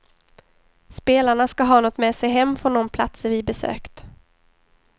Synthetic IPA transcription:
speːlaɳaskaɦɑːnɔt̪mɛsɛjɦɛmːfɾɔnd̪ɔmpʰlat̪səɾvɪbɛsø̰ːkt̪

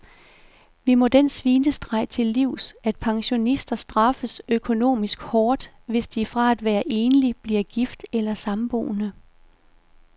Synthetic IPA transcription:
ʋimɒ̽d̥ensʋiːnəsd̥ʁɑ̈ɪ̰t͡sʰe̝lːiʊ̰sæd̥̚pʰɑ̈ŋɕo̝nisd̥ɐsd̥ʁɑ̈fəsøkʰo̝no̝̰ːmisɡ̥hɒːd̥ | ʋe̝sd̥ifʁɑ̈æd̥ʋæːɐʔe̝ːnəlib̥liɐ̰ɡ̥ifd̥elɐsɑ̈mb̥o̝̰ːnə

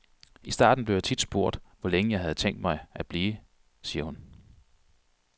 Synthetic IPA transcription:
isd̥ɑ̰̈ːd̥n̩b̥leʊjat͡sʰid̥sb̥o̝ɐ̰d̥ʋɒleŋəjɑ̈ɪɦæð̞̩ˠt͡sʰeŋ̰d̥mɑ̈ɪæb̥liː | siːɐhun

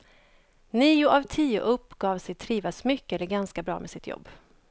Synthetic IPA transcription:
niːʊʔavt̪ʰiːʊ̰ʔɵpːɡ̥ɑːvsɛjt̪ʰɾiːvasmʏkːəɛlːəɾɡanskabɾɑ̰ːmʔɛsɪt̪ʰjɔ̰bː

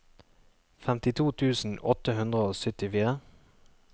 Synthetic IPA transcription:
fɛmt̪ɪt̪ʰuːt̪ʰʉːsn̩ʔɔt̪əhʉnd̪ʁəoːsʏt̪ɪfiːʁə

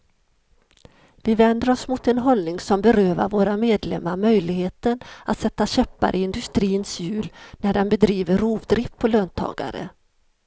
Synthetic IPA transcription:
vɪvɛnd̪əɾɔsmʊt̪ɛnɦɔlnɪŋsɔmbɛɾøːva̰ɾvoːɾameːd̪lɛmːaɾmœjlɪɡheːt̪ənat̪sɛt̪ːaɕɛpːa̰ɾʔɪɪnd̪ɵst̪ɾiːnsjʉ̟ːlnæɖɛnbɛd̪ɾiːvəɾuːvd̪ɾɪpʰːɔløːnt̪ʰɑ̰ːɡa̰ɾə̰

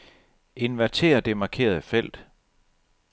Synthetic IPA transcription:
e̝nʋæt͡sʰe̝̰ːɐd̥e̝mɑ̈kʰe̝̰ːɐðˠfel̰d̥

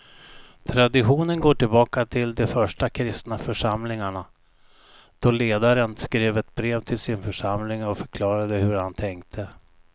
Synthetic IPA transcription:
t̪ʰɾad̪ɪɧuːnənɡoːʈɪlbɑːkat̪ʰɪld̪ɛfœʂʈakʰɾɪst̪nafœʂamlɪŋaɳa | d̪̥ɔleːd̪aɾənskɾeːvɛt̪bɾeːvt̪ʰɪlsɪnfœʂamlɪŋɔfœɾkʰlɑːɾad̪əhɵɾhant̪ʰɛŋkt̪ʰə

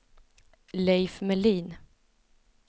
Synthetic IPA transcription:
lɛjfmɛliːn

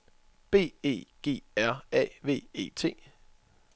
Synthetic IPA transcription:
b̥e̝̰ːe̝̰ːɡ̥e̝̰ːæɐ̰ɛ̰ʋe̝̰ːe̝̰ːt͡sʰe̝̰ː

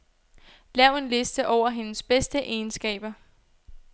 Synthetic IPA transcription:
lɛʊe̝nle̝sd̥əʔɒʊ̰ɐɦe̝nəsb̥esd̥əʔeːnsɡ̥ɛ̰ːb̥ɐ

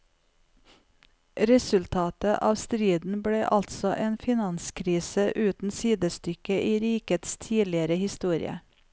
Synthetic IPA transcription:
ɾɛsʉlt̪ʰɑːt̪əʔɑːʋst̪ɾiːd̪n̩bɽeːʔɑlt̪sɔʔeːnfɪnɑnskʰɾiːsəʔʉːt̪n̩siːd̪əst̪ʏkəʔiːɾiːkət̪st̪ʰiːlɪəɾəhɪst̪uːɾɪ̰ə̰

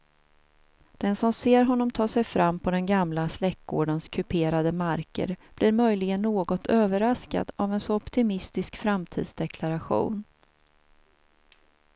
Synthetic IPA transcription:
d̪̥ɛnsɔmseːɾɦɔnːɔmt̪ʰɑːʂɛjfɾʔamːpʰɔd̪ɛnɡamlaslɛkːɡo̰ːɖənskʰɵpʰeːɾad̪əmaɾkə̰ɾb̥liːɾmœjlɪɡənːoːɡɔt̪ʰøːvəɾaska̰d̪avɛnsɔɔpt̪ɪmɪst̪ɪskfɾamt̪ʰḭːd̪sd̪ɛkʰlaɾaɧṵːn

